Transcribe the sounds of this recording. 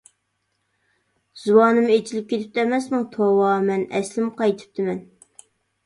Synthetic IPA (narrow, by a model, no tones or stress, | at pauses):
z̥uwɑːnɨmet͡ʃʰilɪp̚kʲet̪ʰɪ̥p̚t̪ʰɛmɛsmuŋt̪ʰowɑːmɛnɛ̰slɪmqʰɑjt̪ʰɨ̥p̚t̪ʰɪmɛn